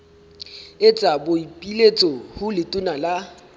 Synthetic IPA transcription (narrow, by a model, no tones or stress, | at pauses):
et͡sʼaboipʼilet͡sʼɔhʊlɪtʼʊnala